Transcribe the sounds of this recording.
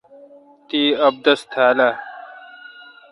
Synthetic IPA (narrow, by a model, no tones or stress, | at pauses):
t̪iːɐb̚d̪ɐst̪ʰaːlaː